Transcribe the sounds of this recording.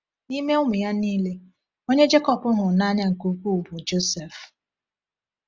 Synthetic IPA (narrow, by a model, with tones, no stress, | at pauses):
ni˦me˦ʊ˦mʊ˨ja˦niː˦le˦ | o˦ɲe˦d͡ʒe˦kɔ˨pʊ˦ɦʊ˨na˦ɲa˦ŋ̩˨ku˦ku˦˨bʊ˨d͡ʒo˦sɛ˨f